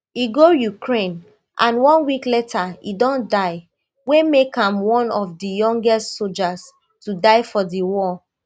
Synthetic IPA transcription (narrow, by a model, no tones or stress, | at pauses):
iɡojukʰɹẽn | ʔãnwɔ̃nwikletʰaidɔ̃ndaɪ | wemekãmwɔ̃nɔfdijɔ̃ŋɡɛstsold͡ʒas | tudaɪfɔdiwɔ